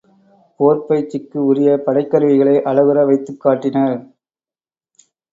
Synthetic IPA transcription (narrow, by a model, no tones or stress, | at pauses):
poːɾpɐjt͡ʃːɪkːɯʊɾɪjɐpɐɽɐɪkːɐɾɯʋɪɣɐɭɐɪʔɐɻɐʋɯɾɐʋɐɪt̪ːɯkːaːʈːɪnɐɾ